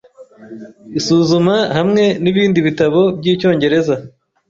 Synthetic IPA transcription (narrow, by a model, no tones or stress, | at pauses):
isuːzumahamŋe̞niβiːndiβitaβo̞b̚jiːco̞ːɲɟe̞ɾe̞za